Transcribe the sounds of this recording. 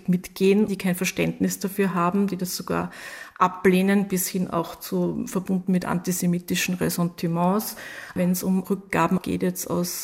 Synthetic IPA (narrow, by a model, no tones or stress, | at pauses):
tmɪtɡ̥eːnd̥iːkʰæɪnfɛɐʃtɛndnɪsd̥afyːɐɦaːbm̩d̥iːdɐsz̥oɡ̥a̰ːɐʔapleːnənb̥ɪshɪnʔa̰ʊxt͡sufɛɐbʊndn̩mɪtʔa̰ntizemiːtɪʃn̩ʁɛ̰sɔ̃ntʰimɑ̃ːsvɛnsʊmʁʏk̚ɡ̥aːbm̩ɡ̥ḛːtjɛt͡sta̰ʊs